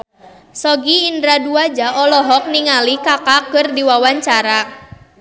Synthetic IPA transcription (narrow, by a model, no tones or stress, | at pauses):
sɔɡiːndɾaduad͡ʒaʔɔlɔɦɔk̚niŋalikakakɨrdiwawaɲt͡ʃaɾa